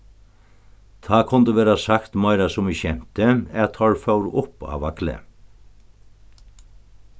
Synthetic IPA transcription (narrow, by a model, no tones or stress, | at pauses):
t̪ʰɑːkʰʊnd̪əʋeːɾɑsɑkt̪mɑɪɾɑsʊmiːçɛmt̪əæt̪ʰɑːɹfɑʉɾʔʊpɑ̰ːʋɑklə̰